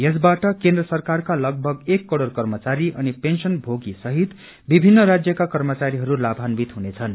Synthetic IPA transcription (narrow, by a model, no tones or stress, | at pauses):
jʌsbaʈʌkẽnd̪rʌsʌrkarkalʌɡ̚bʱʌɡekːʌɽorkʌrmʌt͡saɾiʌnipensʌnbʱoɡisʌɦit̪ | bibʱinːʌɾad͡zjʌkakʌrmʌt͡saɾiɦʌɾulabʱanbit̪ɦunet͡sʰʌn